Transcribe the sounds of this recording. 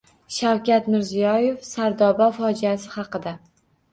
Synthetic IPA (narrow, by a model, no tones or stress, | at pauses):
ʃawkʲat̪mɪɾzijɒje̞fsaɾd̪ɒbafɒd͡ʒijasɪχɑqɨd̪a